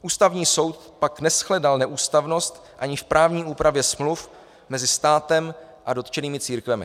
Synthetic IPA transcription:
ʔuːst̪avɲiːso̞wt̪̚ | paknɛsxlɛdalnɛʔuːst̪avno̞st̪ | ʔaɲɪfpɾʔaːvɲiːʔuːpɾʔavjɛsmluf | mɛzɪst̪aːt̪ɛm | ʔado̞t̪t͡ʃɛniːmɪt͡siːɾkvɛmɪ̰

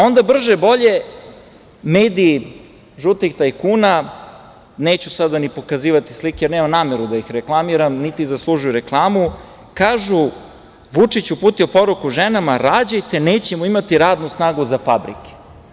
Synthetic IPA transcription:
o̞nd̪abr̩ʒebo̞ʎe̞ | meːd̪iː | ʒut̪ixt̪ajkuːna | neːt͡ɕusad̪anipo̞kaziːʋat̪i̥slikejeɾneːmamnaːmeɾud̪aixɾeklˠamiɾamnit̪izaslˠuʒujɾe̞klˠaːmu | kaːʒu | ʋut͡ʂit͡ɕupuːt̪io̞po̞ɾukuʒenamaɾaːd͡ʑajt̪e̞neːt͡ɕemuimat̪iɾaːd̪nusnaːɡuzafabɾḭke̥

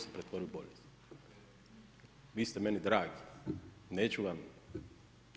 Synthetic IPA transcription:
sepɾet̪ʋo̞ɾijuboʎest̪ | ʋiːst̪eme̞nid̪ɾaːɡineːt͡ɕuʋam

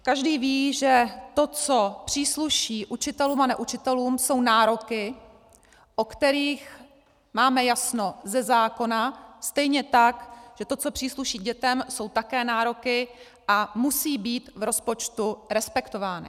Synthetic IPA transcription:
kaʒdiːviːʒɛt̪o̞t͡so̞pr̝̥iːsluʃiːʔut͡ʃɪt̪ɛluːmanɛʔut͡ʃɪt̪ɛluːmso̞wnaːɾo̞kɪ | ʔokt̪ɛɾiːx | maːmɛjasno̞zɛzaːko̞nast̪ɛjɲɛt̪akʒ̥ɛt̪o̞t͡so̞pr̥iːsluʃiːɟɛt̪ɛmso̞wt̪akɛːnaːɾo̞kɪ | ʔamusiːbiːt̪vɾo̞spo̞t͡ʃt̪uɾɛspɛkt̪o̞vaːnɪ̰

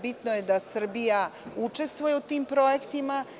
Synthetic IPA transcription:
bit̪noje̞d̪asr̩bijaut͡ʃe̞st̪ʋujeut̪iːmpɾo̞je̞kt̪ima

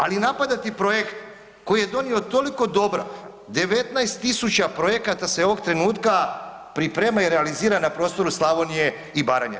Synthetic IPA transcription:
alinapad̪at̪ipɾo̞je̞kt̪ | ko̞jije̞d̪o̞nio̞t̪o̞liko̞d̪o̞bɾa̰ | d̪e̞ʋe̞t̪najst̪ːisut͡ɕapɾo̞je̞kat̪aseo̞ʋo̞ɡt̪ɾe̞nuːt̪kapɾipɾemaiɾealiziːɾanapɾo̞ːst̪o̞ɾuslˠaʋo̞nije̞ | ibaːɾaɲa̰

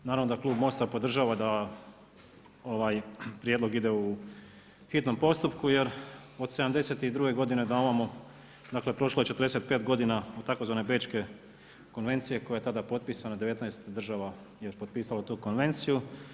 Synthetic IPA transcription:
naɾaʋnod̪aklˠuːbmo̞st̪apo̞d̪r̩ʒaːʋad̪a | o̞ʋajpɾijed̪lo̞ɡid̪e̞u | xit̪no̞mpo̞st̪upkuje̞ɾod̪seamd̪e̞se̞t̪iid̪ɾuɡe̞ɡo̞d̪ine̞d̪aomamo | d̪aːkle̞pɾo̞ʃloet͡ʃet̪rɾd̪eset̪̚pe̞ːt̪ɡo̞d̪inaot̪ako̞zʋaːne̞be̞ːt͡ʃke̞ | konʋe̞nt̪sije̞ko̞jajet̪ad̪apo̞t̪̚piːsanad̪e̞ʋe̞t̪najst̪d̪r̩ʒaʋa | jeɾpot̪̚piːsalot̪uːko̞nʋe̞nt̪siju

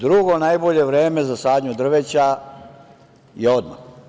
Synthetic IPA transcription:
d̪ɾuɡo̞najbo̞ʎe̞ʋɾeːme̞zasaːd̪ɲud̪r̩ʋet͡ɕa | jieo̞d̪ma̰x

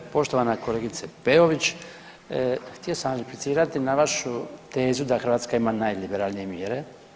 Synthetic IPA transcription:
po̞ʃt̪o̞ʋanako̞leːɡit̪sepeo̞ʋit͡ɕ | xt̪ijosamziplit̪siːɾat̪inaʋaʃut̪e̞ːzud̪axɾʋaːt̪skaimanaːjlibeɾaːlnije̞mjeɾe̞

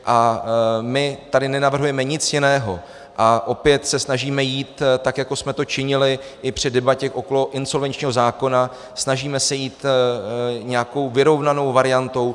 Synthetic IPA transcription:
ʔa | mɪt̪adɪnɛnavr̩ɦujɛmɛɲɪt͡sjɪnɛːɦo̞ | ʔaʔo̞pjɛt̪sɛsnaʒiːmɛjiːt̪t̪ːakjako̞smɛt̪o̞t͡ʃɪɲɪlɪʔɪpr̝̥ɪdɛbacɛxʔo̞ko̞lo̞ʔɪnso̞lvɛnt͡ʃɲiːɦo̞zaːko̞na | snaʒiːmɛsɛjiːt̪ | ɲɛako̞wvɪɾo̞vnano̞wvaɾɪjant̪o̞w

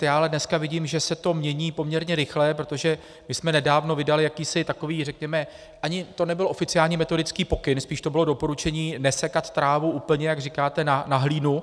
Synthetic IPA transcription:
jaːalɛdnɛskavɪɟiːmʒɛsɛt̪o̞mɲɛɲiːpo̞mɲɛɾɲɛɾɪxlɛpɾot̪o̞ʒɛ | mɪsmɛnɛdaːvno̞vɪdalɪjakiːsɪt̪ako̞viːrɛkɲɛmɛ | ʔaɲɪt̪o̞nɛbɪlʔo̞fɪt͡sɪaːlɲiːmɛt̪o̞dɪt͡skiːpo̞kɪnspiːʃt̪o̞bɪlo̞do̞po̞ɾut͡ʃɛɲiːnɛsɛkat̪t̪ɾaːvuʔuːpl̩ɲɛjaɡrɪkaːt̪ɛnanaɦliːnu

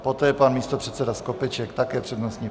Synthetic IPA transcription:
pot̪ɛːpanmiːst̪opr̥ɛt̪sɛdaskopɛt͡ʃɛkt̪akɛːpr̥ɛdnost̪ɲiː

